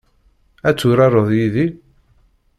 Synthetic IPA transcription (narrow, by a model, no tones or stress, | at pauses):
æt͡sːuɾɑɾˤəðˤjiði